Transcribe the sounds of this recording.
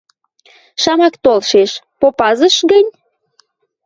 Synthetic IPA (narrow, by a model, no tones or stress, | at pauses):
ʃɑmɑkt̪olʃeʃpopɑzəʃɣənʲ